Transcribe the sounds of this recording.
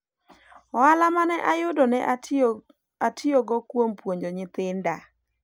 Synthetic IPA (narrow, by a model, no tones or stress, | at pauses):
ɔalamanɛʔajʊdɔnɛʔ | atioɡɔkwompwoɲd͡ʒoɲɪt̪ɪnda